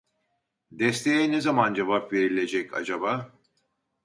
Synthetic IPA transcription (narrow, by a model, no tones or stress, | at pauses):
d̪ɛst̪ʰejɛnezamand͡ʒavapve̞ɾilʲe̞d͡ʒɛca̰d͡ʒaba